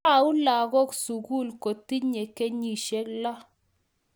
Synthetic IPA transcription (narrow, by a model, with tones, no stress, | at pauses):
a˨u˦la˨ɣɔ˦ksu˨ɡu˦˨lko˨ti˦ɲe˨ke˦ɲi˨ʃe˦kla˦